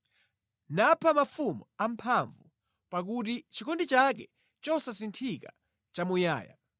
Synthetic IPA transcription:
napʰamafumṵam̩pʰaɱvu | pak̬ut̬it͡ʃʰikʰɔndit͡ʃakɛ̰ | t͡ʃɔsasintʰika̰ | t͡ʃamuja̰ːja̰

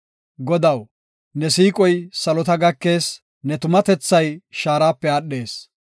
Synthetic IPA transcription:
ɡɔd̪ɐw | nɛsiːkʼɔjsɐlɔt̪ɐɡɐkːe̞ːs | nɛt̪ʊmɐt̪ɛt͡sːɐjʃaːɾaːpːɛaːɗːe̞ːs

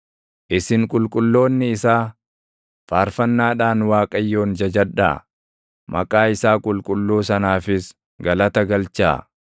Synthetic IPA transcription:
ʔɪsɪŋkʼʊlkʼʊlːo̞ːnːɪːsaː | faːɾfɐnːaːᶑaːnwaːkʼɐjːo̞ːnd͡ʒɐd͡ʒɐᶑa̰ː | mʔɐ̰kʼaːɪsaːkʼʊlkʼʊlːuːsɐnaːfɪs | ɡɐlɐt̪ɐɡɐlt͡ʃa̰ː

